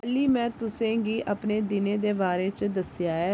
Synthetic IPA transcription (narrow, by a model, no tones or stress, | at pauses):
liːmɛ̃ːt̪ʊsẽːɡiːʔəpneːd̪ɪnẽːd̪eːbaːɾeːt͡ʃd̪əsjaːɦɛː